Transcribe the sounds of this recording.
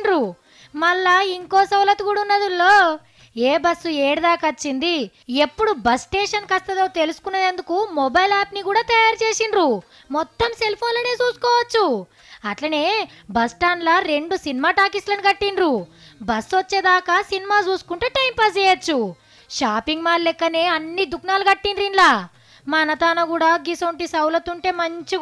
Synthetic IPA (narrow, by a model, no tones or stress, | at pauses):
nɾu | mɐlːaiŋkoːsɐwlɐt̪uɡuɽunːɐd̪ulːo̞ː | eːbɐsːueːɽud̪aːkɐɐt͡ʃːind̪ie̞pːuɽubɐsʈeːʂɐnkɐst̪ɐd̪o̞ːt̪elusu̥kunːɐd̪end̪ukumɔbɐjlaːpnikuːɽaːt̪ɐjaːɾt͡ʃe̞ːsinɾu | mɔt̪ːɐmse̞lpʰoːnlɐne̞ːt͡ʃuːsu̥kɔːʋɐt͡ʃːu | ɐʈlɐneː | bɐsʈaːnlɐɾe̞ɳɖusinimaːʈaːkislɐniɡɐʈːinɾu | bɐsːʋɐt͡ʃːe̞ːd̪aːkɐsinimaːt͡ʃuːsu̥kuɳʈeːʈɐjmpɐsɛːjɐt͡ʃːu | ʃaːpiŋɡmaːɾlɛkːɐneːɐnːid̪uknaːluɡɐʈːinɾinlaː | mɐnɐt̪aːnɐɡuːɽaːɡisoɳʈisɐwlɐt̪uɳʈe̞ːmɐɲt͡ʃi